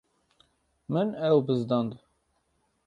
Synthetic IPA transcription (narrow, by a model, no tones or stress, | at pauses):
mɨnɛwbɨzd̪ɑnd̪